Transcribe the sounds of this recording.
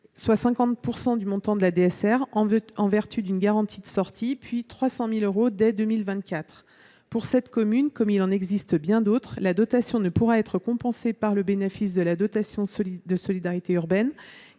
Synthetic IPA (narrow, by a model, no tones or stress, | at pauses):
swasɛ̃kɑ̃t̪̚puʁsɑ̃d̪ymɔ̃t̪ɑ̃d̪əlad̪eɛsɛʁɑ̃ɑ̃vɛʁt̪ʰyd̪ynɡaʁɑ̃t̪ʰid̪əsɔʁt̪ʰipɥit̪χwasɑ̃miløʁod̪ɛd̪ømilvɛ̃t̪̚kʲat̪χ | puʁsɛt̪kɔmynkɔmilɑ̃nɛɡzist̪bjɛ̃d̪ot̪χlad̪ɔt̪asjɔ̃nəpuʁaɛt̪χəkɔ̃pɑ̃sepaʁləbenefis̬d̪əlad̪ɔt̪asjɔ̃d̪əsɔlid̪aʁit̪eyʁbɛn